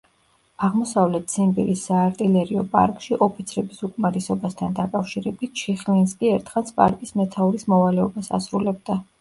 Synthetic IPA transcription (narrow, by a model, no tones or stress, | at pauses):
aʁmɔsavlɛt̪ʰsʰimbḭɾisːaːɾt̪ʼilɛɾiɔpʼa̰ɾkʼʃiʔɔpʰit̪sʰɾɛbisukʼmaɾisɔbast̪ʰand̪akʼafʃiɾɛbit̪̚t͡ʃʰiχlinskʼiɛɾt̪ʰχansʰpʼa̰ɾkʼismɛt̪ʰauɾismɔvalɛɔbasa̰sɾulɛb̚d̪a